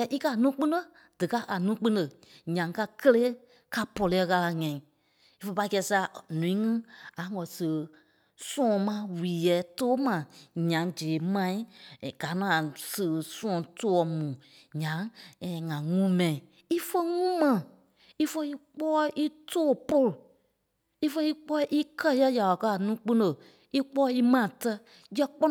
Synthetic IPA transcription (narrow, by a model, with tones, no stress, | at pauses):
a˧˨ʔi˦ka˧˦˨nũː˦k͡pĩ˦də˧˨ | d̥ɨ˨ka˦ʔa˨nũː˦k͡pĩ˦də˨ | ɲã˨ŋ˨ka˧kə˦leː˦ | ka˧pɔ˨lɛ˨ɛ˦˧ɣa˧la˧ŋɛ̃˨ĩ˨ | i˦fə˧pa˧i˧kɛ˧˦sa˧˨nũ˨ĩ˦ŋɨ̃˦a˨ŋɔ̃˨sɨ˨ə˨ | sɔ̃˦˨mã˧˦wiː˨jɛː˨˦toː˦mã˨ɲã˨˦d͡ʒeː˨˦mã˦ĩ˦˨ɡ̥a˨˦nɔ̃˨˦a˨sə˨sɔ̃˦ɔ̃˨to˦ɔ˧˦mũː˨ | ɲã˨˦˨ŋã˨ŋũ˦mɛ̃˨ĩ˨ | i˦fə˦ŋũ˦mã˨ | i˦fə˦i˦k͡pɔː˦ʔi˦tʰoː˦˨po˦ɾu˨ | i˦fə˦i˦k͡pɔ˦i˦ʔi˦kʰɜ˦jə˦ja˨wa˨kɜ˧a˨nũː˦k͡pɨ̃˦nə˨ | i˦k͡pɔ˦i˦mã˦˨tə˧ | jɜ˦k͡pɔ˦